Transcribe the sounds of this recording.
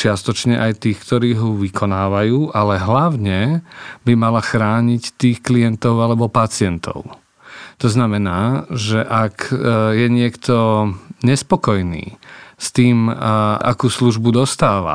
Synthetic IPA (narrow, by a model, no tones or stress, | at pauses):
t͡ʃɪast̪ɔt͡ʃɲɛʔajt̪iːxkt̪ɔɾiːɦɔʋikʰɔnaːʋajuːʔalɛɦlaʊɲɛbimalaxɾaːɲict̪iːxklijɛnt̪ɔʊalɛbɔpat͡sɪɛnt̪ɔ̰ʊ | t̪ɔznamɛnaːʒɛʔakjɛɲɪɛkt̪ɔɲɛspɔkɔjnḭːst̪iːmʔa̰kuːsluʒbud̪ɔst̪aːʋa̰